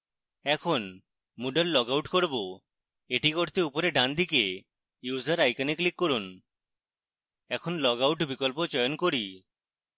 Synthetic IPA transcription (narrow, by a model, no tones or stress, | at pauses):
ɛkʰon | muɖelːɔɡawʈkoɾbo | eʈikoɾt̪eupoɾeɖand̪ike | juzaɾajkaniklikːoɾun | ɛkʰonlɔɡawʈbikɔlpot͡ɕɔjonkoɾi